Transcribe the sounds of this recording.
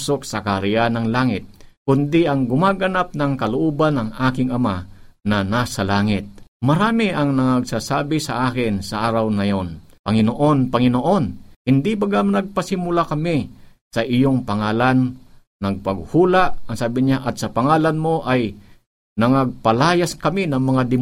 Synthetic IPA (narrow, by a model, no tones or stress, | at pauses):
sok̚sɐkaɾɪjanɐŋlaːŋɪt̪̚kʊnd̪ɪʔɐŋɡʊmaːɡɐnap̚nɐŋkɐlʊʔoːbanɐŋʔaːkɪŋɐmanɐnasɐlaːŋɪt̪̚mɐɾaːmɪʔɐŋnɐŋɐɡsaːsaːbɪsɐʔaːkɪnsɐʔaːɾɐwnɐjonpɐŋɪnoʔo̞npɐŋɪnoʔonhɪnd̪ipɐɡamnɐɡ̚pɐsɪmʊlakɐmɪsɐʔɪjoŋpɐŋaːlanː | ɐɡ̚pɐɡhuːlaʔɐŋsaːbɪɲaʔɐt̪sɐpɐŋaːlanmo̞ʔɐj | nɐŋɐɡ̚pɐlaːjaskɐminɐŋmɐŋad̪ɪ